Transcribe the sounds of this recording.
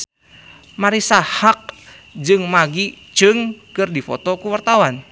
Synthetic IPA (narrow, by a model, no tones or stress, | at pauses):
maɾisahak̚ | d͡ʒɨŋmaɡit͡ʃɨŋkɨrdifɔt̪ɔkuwart̪awan